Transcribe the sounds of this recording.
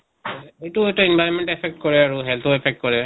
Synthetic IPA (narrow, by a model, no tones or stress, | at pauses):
ejtuetɔinbʱajɔnmɛntɛpʰɛk̚t̚kɔɹɛaɹuɦɛltʰɔɛpʰɛk̚t̚kɔɹɛ